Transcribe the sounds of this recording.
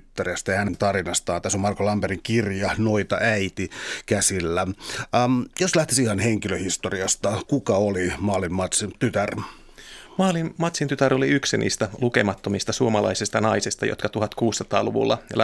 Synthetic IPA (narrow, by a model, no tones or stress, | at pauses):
yt̪ːæriæst̪ɑjɑhænent̪ɑrinɑst̪ɑːnt̪æsomɑrkolɑmpeɾiŋkirjɑnoit̪ɑʔæit̪ikæsilːæ | joslæht̪isihɑnheŋkiløhist̪oriɑst̪ɑkukɑolimɑlimːɑt̪sint̪yt̪ær | mɑːlimːɑt̪sint̪yt̪æro̞liyksinʔḭːst̪æluke̞mɑt̪ːomist̪ɑsuomɑlɑ̰isist̪ɑnɑisest̪ɑjo̰t̪kɑt̪uɦɑt̪kuːsːɑt̪ɑːluʋṵlːɑ̰l